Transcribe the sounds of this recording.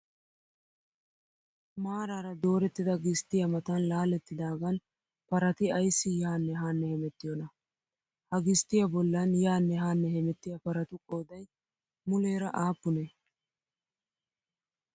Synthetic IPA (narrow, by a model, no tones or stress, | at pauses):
maːɾaːɾɐd̪o̞ːɾɛt̪ːɪd̪ɐɡɪst̪ːɪjɐmɐt̪ɐnlaːlɛt̪ːɪd̪aːɡɐn | pɐɾɐt̪ɪɐjsːɪjaːnːɛɦaːnːɛhɛmɛt̪ːɪjɔnɐ | hɐɡɪst̪ːɪjɐbɔlːɐnjaːnːɛɦaːnːɛhɛmɛt̪ːɪjɐpɐɾɐt̪ʊkʼoːd̪ɐj | mʊleːɾɐʔaːpːʊnɛ